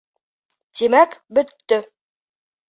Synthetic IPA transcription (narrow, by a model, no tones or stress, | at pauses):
t̪imækbɵ̆t̪ːɵ